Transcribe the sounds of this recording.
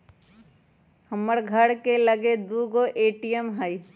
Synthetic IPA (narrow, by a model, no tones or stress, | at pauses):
həməɾɡʱəɽkeləɡed̪uːɡoʔeːʈijəmɦəi